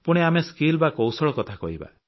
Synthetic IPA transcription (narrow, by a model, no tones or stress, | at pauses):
puɽ̃eameskilbakowsɔɭɔkɔt̪ʰakɔ̰ɦiba̰